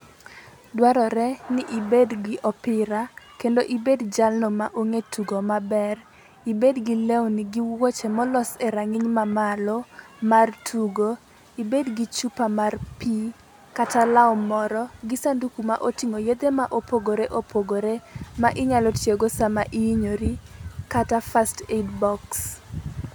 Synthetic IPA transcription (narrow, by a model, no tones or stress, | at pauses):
dwaɾɔɾɛnɪʔibedɡɪʔɔpɪɾakendoʔibedd͡ʒalnɔmaʔoŋetʰuɡomabɛr | ibedɡɪlewnɪɡiwot͡ʃemɔlɔseɾaŋɪɲmamalɔ | martʰuɡo | ibedɡit͡ʃupamarpi | katʰalaɔmɔɾɔɡɪsandukumaʔotiŋojed̪emaʔopʰoɡoɾeʔopʰoɡoɾemaʔɪɲalɔtjeɡosamaʔiiɲoɾikatafastedbɔks